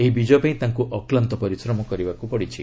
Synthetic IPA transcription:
eɦibid͡ʒɔpaĩt̪aŋkuʔɔklant̪ɔpɔɾisɾɔmɔkɔɾibakupɔɽit͡ʃʰi

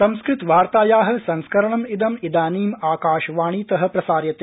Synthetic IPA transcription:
sɐmskɾɪt̪ʋaːɾt̪aːjaːɦɐ̆sɐ̃nskɐɾɐɳɐmid̪ɐmid̪aːniːmaːkaːʃʋaːɳ̃iːt̪ɐɦɐ̆pɾɐsaːɾjɐt̪e

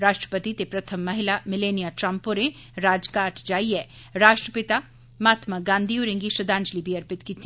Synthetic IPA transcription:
ɾaːʃʈɾə̥pət̪it̪epɾɐt̪ʰəmːɐɦɪlamɪleːnijaʈɾəmpoɾẽ | ɾaːd͡ʒkaːʈd͡ʒaːiɛː | ɾaːʃʈɾəpɪt̪a | maːt̪maɡãːnd̪ʱioːɾẽŋɡiʃɾɐd̪ãːɲd͡ʒlibʱiɐɾpɪt̪kit̪

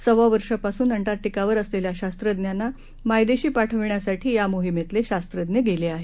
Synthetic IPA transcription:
səʋaʋəɾʂəpasuːnəɳʈaɾʈikaʋəɾəsleljaɕast̪ɾəd̪njanːa | majd̪eɕiːpaʈʰəʋɳjasaʈʰiːjamoɦimet̪leɕast̪ɾəd̪njəɡeleaɦe

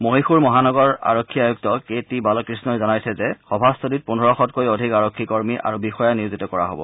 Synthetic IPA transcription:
moɦixuɹmɔɦanɔɡɔɹa̰ɹokʰːiajuk̚tɔketibalɔkɹisnɔjzɔnajsɛzɛxɔbʱastodit̚punɔɹɔxɔtkojodʱikaɹokʰːikɔɹmiʔa̰ɹubixɔjanijuzitɔkɔɹa̰ɦobɔ̰

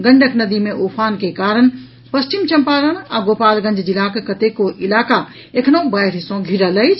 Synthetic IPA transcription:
ɡə̃ɳɖʱəknəd̪imeʔopʰankekaɾən | pəst͡ʃimt͡ʃəmpaɾənaɡopalɡə̃nd͡ʒʱd͡ʒilakekət̪ekoʔilaka | ekʰnõbəjɾɦisõɡʱiɾələjt͡ʃʰ

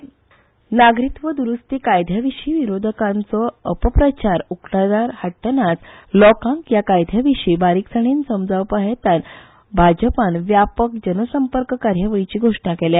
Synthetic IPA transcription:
naɡɾit̪ʋəd̪uɾust̪ikajd̪ʱjaʋiʂiːʋiɾod̪ʱəkãnt͡sɔəpəpɾət͡ɕaɾukʰlad̪aɾhaʈːənat͡slɔkãŋkjakajd̪ʱjaʋiʂiːbaɾiksəɽ̃iːnsəmd͡zaʋpaɦet̪an | bʱad͡ʑəpanʋjapək̚d͡ʑənəsəmpəɾkkaɾjəʋəit͡ɕiːɡʱoʂɳakɛlja

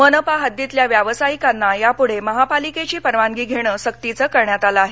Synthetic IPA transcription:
mənəpaɦəd̪jit̪ljaʋjaʋəsajikanːajapuɽ̤eməɦapaliket͡ɕiːpəɾʋaŋɡiːɡʱeɽ̃əːsəkt̪it͡səːkəɾɳjat̪alaaːɦe

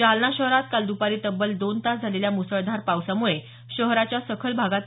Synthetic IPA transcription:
alnaɕəɦɾat̪̚kald̪upaɾiːt̪əbəld̪ont̪asd͡zʱaleljamusəɭd̪ʱaɾpawsamuɭe | ɕəɦɾat͡ɕjasəkʰəlbʱaɡat̪

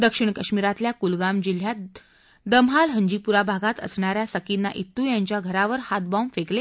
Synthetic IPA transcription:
d̪əkʂiɳ̃kəɕmiɾat̪ljakulɡamd͡ʑil̤ja | d̪əmɦalɦəɲd͡ʑipuɾabʱaɡat̪ə̰sɳaɾjasəkinːa̰ʔit̪ːuːjãɲt͡ɕjaɡʱəɾaʋəɾhat̪̚bãmfekle

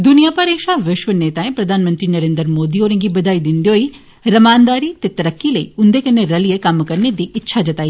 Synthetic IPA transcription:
d̪ʊnijapɐɾeːʃaʋɪʃʋəneːt̪aːẽpɾɐd̪ʱaːnmə̃nt̪ɾinɐɾẽːnd̪əɾmoːd̪ioːɾə̃ŋɡibɐd̪aːid̪ɪnd̪eoːi | ɾɐmaːnd̪aːɾit̪et̪ɐɾəkːiləḭːʊnd̪ekɐnːeɾɐliekɐmkɐɾned̪iɪtːʃʰad͡ʒɐt̪aːiː

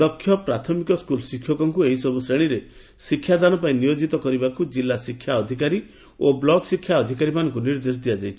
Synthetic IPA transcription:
d̪ɔkʰːjɔpɾat̪ʰɔmikɔskulɔsikʰːjɔkɔŋkueɦisɔbusɾeɽ̃iɾe | sikʰːjad̪anɔpaĩnijod͡ʒit̪ɔkɔɾibakud͡ʒilːasikʰːjaɔd̪ʱikaɾi | oblɔɡsikʰjaɔd̪ʱikaɾimanɔŋkuniɾd̪es̬d̪ijad͡ʒajt͡ʃʰi

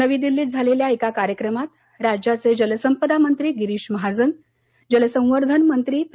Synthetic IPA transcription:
nəʋiːd̪ilːiːt̪̚d͡zʱaleljaekakaɾjəkɾəmat̪ | ɾad͡ʑjat͡sed͡ʑələsəmpəd̪amənt̪ɾiːɡiɾiːɕməɦad͡zən | d͡ʑələsə̃w̃ʋəɾd̪ʱənmənt̪ɾiːp

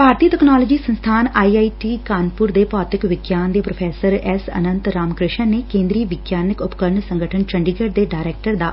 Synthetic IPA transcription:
paːɾt̪iːʈɛknaːlod͡ʒiːsə̃nst̪ʰaːnaːiaːiʈiːkaːnpʊɾd̪epɔːt̪ɪkʋɪɡjaːnd̪eːpɾopʰɛːsəɾɛsə̰nə̃nt̪ɾaːmkɾɪʃənekẽːnd̪ɾiːʋɪɡjaːnɪkʊpkəɾɳsə̃ŋɡəʈʰənt͡ʃəɳɖiːɡəɖd̪eɖaːɾɛːk̚ʈəɾd̪aː

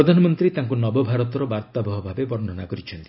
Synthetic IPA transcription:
ɾɔd̪ʱanɔmɔnt̪ɾit̪aŋkunɔbɔbʱaɾɔt̪ɔɾɔbaɾt̪ɔbɔɦɔbʱabebɔɾn̤ɔnakɔɾit͡ʃʰɔnt̪i̥

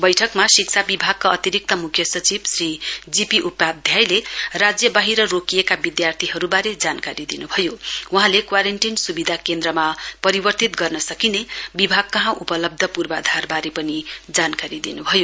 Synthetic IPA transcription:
bʌjʈʰʌkmasik̚t͡sʰabibʱaɡ̚kaʌt̪iɾik̚t̪ʌmukʰjʌsʌt͡sibsrid͡zipiʔupːad̪ʱjajlerad͡zjʌbaɦiɾʌrokijekabid̪jart̪ʰiɦʌɾubaɾed͡zankaɾid̪inubʱʌjowuɦãlekwaɾeɳʈinsubid̪ʱakend̪rʌmapʌɾibʌrt̪it̪ɡʌrnʌsʌkinebibʱaɡ̚kʌɦãʔupʌlʌb̚d̪ʱʌpurbad̪ʱarbaɾepʌnid͡zankaɾid̪inubʱʌjo

